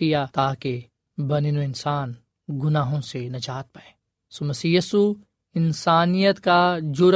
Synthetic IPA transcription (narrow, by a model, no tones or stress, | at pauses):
ijat̪aːke | bɐninoɪnsaːn | ɡʊnaːɦõsenɐd͡ʒaːt̪̚pɐɽẽː | somɐsiːjsu | ɪnsaːnijət̪kad͡ʒʊɾ